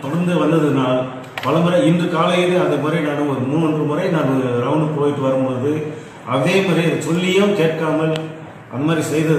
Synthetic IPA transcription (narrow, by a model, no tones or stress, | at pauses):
t̪ɔɽɐnd̪ɯʋɐnd̪ɐðɯnaːl | pɐlɐmbɯɾɐɪndrɯkaːlɐjɪðɯɐðɐmɐɾɐɪnaːnɯɔɾɯmuːndrɯmɯɾɐɪnaːmɔɾɯɾɐʋnɯpoːjɪʈːɯʋɐɾɯmpoðɯ | ʔɐðeːmaːdɾiɐɯsɔlːɪjɐkeːʈkaːmɐl | ʔɐ̰nd̪ɐmaːd̪ɾisɛjðɐð